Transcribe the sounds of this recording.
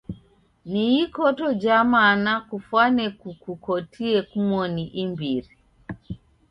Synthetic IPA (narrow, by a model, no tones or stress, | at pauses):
niikɔtɔd͡ʒamanakufwanɛkukukɔtʰiɛkumɔniʔimbiɾi